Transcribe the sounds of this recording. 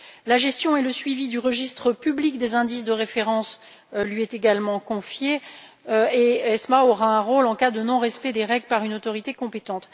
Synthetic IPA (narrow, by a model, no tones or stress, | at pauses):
laʒɛst̪jɔ̃eləsɥivid̪yʁəʒist̪χəpyblikd̪ezɛ̃d̪is̬d̪əʁefeʁɑ̃s | lɥiɛt̪eɡalmɑ̃kɔ̃fje | eɛsmaoʁaɛ̃ʁolɑ̃kad̪ənɔ̃ʁɛspɛd̪eʁɛɡləpaʁynot̪ɔʁit̪ekɔ̃pet̪ɑ̃t̪